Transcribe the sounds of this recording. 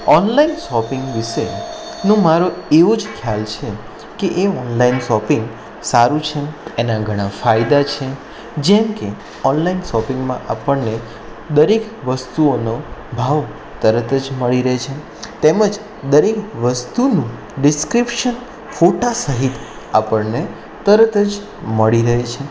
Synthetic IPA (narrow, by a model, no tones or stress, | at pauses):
ɔnlainʃɔpɪŋɡʋɪʃe | nũmaɾoeʋod͡ʒkʰjalt͡ʃʰe | keʔeɔnlainʃɔpɪŋɡ | saɾũt͡ʃʰənenaɡʱəɽ̃ãfajd̪at͡ʃʰe | d͡ʒɛmke | ɔnlainʃɔpɪ̃ŋɡmã̰ʔapəɳne | d̪əɾek | ʋəst̪uonobʱaʋ | t̪əɾət̪ʰəd͡ʒməɭiɾəɦet͡ʃʰe | t̪eməd͡ʒ | d̪əɾekʋəst̪unũ | ɖɪskɾipʃən | foʈasəɦit̪ | apəɽne | t̪əɾət̪ʰəd͡ʒ | məɭiɾəɦet͡ʃʰe